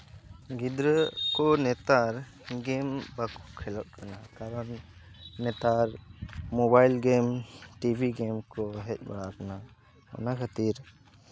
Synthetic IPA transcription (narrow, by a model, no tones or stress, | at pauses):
ɡid̪ɾəkɔnɛt̪aɾ | ɡɛmbakɔkʰɛlɔʔ̚kanakaɾɔnː | ɛt̪aɾmɔbajlɡɛmʈibʱiɡɛmkɔɦɛc̚ˀba̰ɽakana | ma̰nakʰat̪iɾ